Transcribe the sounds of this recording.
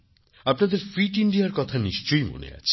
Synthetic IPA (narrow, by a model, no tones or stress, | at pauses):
apnad̪eɾfʰɾiʈiɳɖiaɾkɔt̪ʰaniʃt͡ɕojmo̰nḛa̰t͡ɕʰi̥